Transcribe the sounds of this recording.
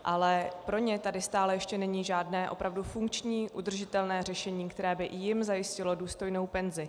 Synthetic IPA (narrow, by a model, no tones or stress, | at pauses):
ʔalɛpɾo̞ɲɛt̪adɪst̪aːlɛjɛʃcɛnɛɲiːʒaːdnɛːʔo̞pɾavdufuŋkt͡ʃɲiːʔud̪r̩ʒɪt̪ɛlnɛːr̝ɛʃɛɲiːkt̪ɛɾɛːbɪjɪmzajɪscɪlo̞duːst̪o̞jno̞wpɛnzɪ